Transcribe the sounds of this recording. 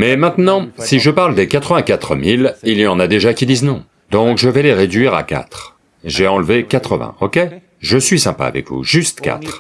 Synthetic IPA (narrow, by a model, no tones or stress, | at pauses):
mɛmɛ̃t̪nɑ̃siʒəpaʁld̪ekat̪χəvɛ̃kʲat̪χəmililjɑ̃nad̪eʒakʲid̪iznɔ̃ | d̪ɔ̃kʒəvɛleʁed̪ɥiʁa̰ka̰t̪χ | ʒeɑ̃lvekat̪χəvɛ̰̃ɔkʲe | ʒəsɥisɛ̃pa̰a̰vɛ̰kvṵʒyst̪kʲa̰t̪χ